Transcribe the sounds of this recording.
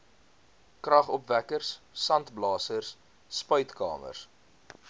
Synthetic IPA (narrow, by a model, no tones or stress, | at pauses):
krɐχɔpvækərsːɐntblɑːsərsː | pœɥtkɑ̰ːmə̰rs